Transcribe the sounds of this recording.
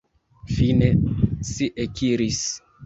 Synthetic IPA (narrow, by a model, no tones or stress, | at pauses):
finesiʔekiɾis